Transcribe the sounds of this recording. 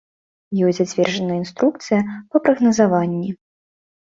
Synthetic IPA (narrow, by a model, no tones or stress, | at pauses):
jɔsʲd͡zʲzat͡sʲvʲɛrd͡ʐɐnəjəinst̪ɾuk̚t̪sɨjɐpɐpɾɐɣnɐzavanʲːi